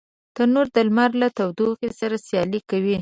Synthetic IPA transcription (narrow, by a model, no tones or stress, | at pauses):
t̪anoɾd̪əlmaɾlat̪awd̪oɣesaɾasjɑlikawi